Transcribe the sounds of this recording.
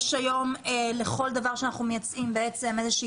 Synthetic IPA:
ʃajo̞mele̞χo̞ld̪avaʁʃeanaχnumejat͡sʔimbeet͡se̞mezeʃiː

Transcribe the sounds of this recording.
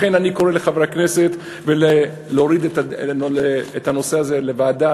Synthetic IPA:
enaniko̞ʁeleχavʁakneset̪ | vele | leoʁid̪etaleːthano̞seazelevaːda

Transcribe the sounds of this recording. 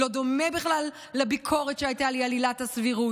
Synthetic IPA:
o̞d̪o̞mebiχlalː | ebikʰo̞ʁet̪ʃeajtalialilathasviʁu

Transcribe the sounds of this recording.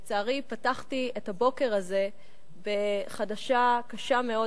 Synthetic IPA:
t͡saːʁipataχtietabo̞ke̞ʁaze̞ | be̞χadaʃakaʃame̞o̞

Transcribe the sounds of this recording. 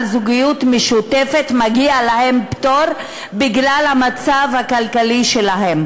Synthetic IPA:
lzuɡijutmeʃutefetmaɡialahe̞mptoɾ | biɡlalhamat͡savhakalkaliʃelaɦe̞m

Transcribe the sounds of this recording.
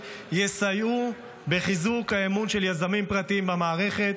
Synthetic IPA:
jesaju | beχizukhaemunʃe̞ljazamimpʁat̪iimbamaːʁe̞χe̞t̪

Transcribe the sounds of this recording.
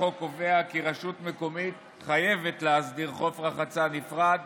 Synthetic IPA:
o̞ko̞veakiʁaʃutme̞ko̞mit̪ | χaje̞vetleasd̪iʁχo̞fʁaχat͡sanifʁad̪

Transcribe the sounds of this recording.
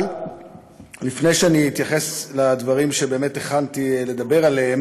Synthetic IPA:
l | lifnejʃeaniit̪jaχe̞slad̪vaʁimʃe̞be̞ːmet̪eχant̪ile̞d̪abe̞ʁaleem

